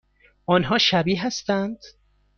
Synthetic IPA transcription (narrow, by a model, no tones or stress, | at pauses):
ʔɒnɦɒːʃæbiːɦæst̪ænd̪̥